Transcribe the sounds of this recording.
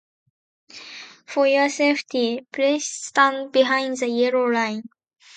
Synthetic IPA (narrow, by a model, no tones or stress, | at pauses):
fɔjəseftʰipʰlesːtãnd̚biɦãɪ̃nzəjiɹolãɪ̃n